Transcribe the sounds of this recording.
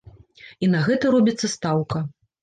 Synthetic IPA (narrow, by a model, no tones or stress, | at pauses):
inɐɣɛt̪ɐɾɔbʲit̪sːɐst̪awkɐ